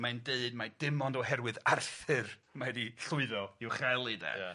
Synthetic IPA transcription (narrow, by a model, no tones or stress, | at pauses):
majndeɨdmad̥ɪmɔndɔɦɛɾwɨðarθɨrmaɛdiɬʊɨðɔiwχalˠidɛ̰